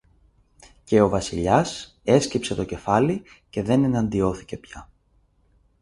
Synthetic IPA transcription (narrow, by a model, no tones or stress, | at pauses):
ce̞o̞vɐsiʎɐs | e̞scipse̞t̪oce̞fɐli | ce̞ðe̞ne̞nɐnd̪io̞θi̥ce̞pçɐ